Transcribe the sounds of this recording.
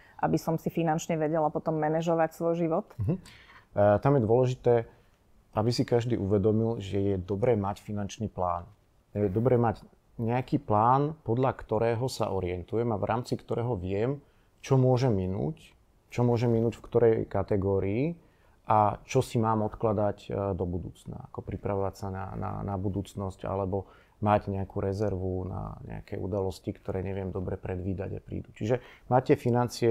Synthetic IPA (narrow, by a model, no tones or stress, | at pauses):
ʔabisɔmsifinant͡ʃɲɛʋɛɟɛlapɔt̪ɔmːɛnɛʒɔʋacsʋɔjʒiʋɔt̪̩ɦ̩ | t̪amjɛd̪ʊɔlɛʒit̪ɛː | ʔabisikaʒd̪iːʔuʋɛd̪ɔmilʒɛjɛd̪ɔbɾɛːmacfinant͡ʃniːpla̰ːn | jɛd̪ɔbɾɛːmaɟ | ɲɛakiːplaːnpɔd̪ʎakt̪ɔɾɛːɦɔsa̰ʔɔɾɪɛnt̪ujɛmavɾa̰ːmt͡sikt̪ɔɾɛːɦɔʋɪɛm | t͡ʃɔmʊɔʒɛmːinṵːc | t͡ʃɔmʊɔʒɛmːinuːcfkt̪ɔɾɛjkat̪ɛɡɔːɾiː | ʔat͡ʃɔsimaːmɔt̪klad̪acd̪ɔbud̪uːt͡sna̰akɔpɾipɾaʋɔʋacsana̰na̰nabud̪uːt͡snɔsca̰lɛbɔ | maɟɲɛakuɾɛzɛɾʋuna̰ɲɛ̰a̰kɛjṵd̪alɔscikt̪ɔɾɛːɲɛʋɪɛmd̪ɔbɾɛpɾɛd̪ʋiːd̪a̰ɟa̰pɾḭːd̪ut͡ʃiʒɛmaːcːɛfinant͡siɛ